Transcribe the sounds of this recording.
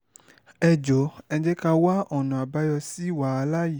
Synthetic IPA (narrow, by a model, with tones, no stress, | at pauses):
ɛ˧d͡ʒo˨˦ɛ̃˧d͡ʒe˦ka˧wa˦ɔ˨nɔ̃˨a˨ba˦jɔ˧si˦wa˨˦˧la˦ji˨